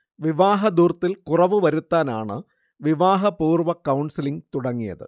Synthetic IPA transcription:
ʋiʋaːɦɐd̪uːrt̪ːilkurɐʋɨʋɐɾut̪ːaːnaːɳɨ̰ | ʋiʋaːɦɐpuːrʋɐkɐwɳsiliŋt̪uɽɐŋːijɐ̰ðɨ̰

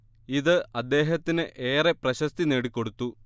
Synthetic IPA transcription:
iðɨɐd̪ːe̞ːɦɐt̪ːinɨʔeːreprɐɕɐst̪ine̞ːɽikʲːo̞ɽut̪ːu

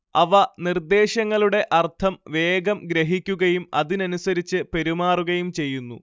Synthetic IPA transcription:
ɐʋɐnird̪e̞ːɕɐŋːɐɭuɽe̞ʔɐrt̪ʰɐmʋe̞ːɡɐmɡɾeɦikʲːuɣɐjumɐ̰ðinɐnusɐɾit͡ɕːɨpe̞ɾumaːruɣɐjumt͡ɕe̞jːunːṵ

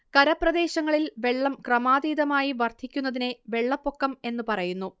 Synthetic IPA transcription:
kɐɾɐprɐd̪e̞ːɕɐŋːɐɭilʋe̞ɭːɐmkrɐmaːd̪iːd̪ɐmaːjiʋɐrd̪ʰʱikʲːunːɐðine̞ʋe̞ɭːɐpːo̞kːɐme̞nːupɐrɐjunːu

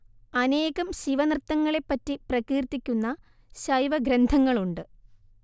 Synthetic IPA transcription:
ɐne̞ːɣɐmɕiʋɐnrt̪ːɐŋːɐɭe̞pːɐtːiprɐɣiːrt̪ːikʲːunːɐ | ɕɐjʋɐɡɾend̪ʱɐŋːɐɭuɳɖɨ

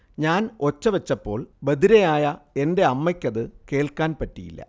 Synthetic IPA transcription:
ɲaːno̞t͡ɕːɐʋɐt͡ɕːɐpːo̞ːɭbɐðiɾɐjaːjɐe̞nde̞ɐmːɐkʲːɐðɨke̞ːɭkaːnpɐtːijḭlːɐ̰

